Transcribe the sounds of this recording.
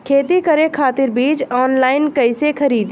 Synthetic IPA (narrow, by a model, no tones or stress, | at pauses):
kʰeːt̪ikəɾekʰaːt̪ɪɾbiːd͡ʒɔːnlaːɪnkəɪsekʰəɾiːd̪